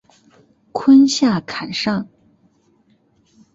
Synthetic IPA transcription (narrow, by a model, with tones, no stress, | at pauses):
kʰwə˥nɕja˥˩kʰa˨˩nʂɑ˥˩ŋ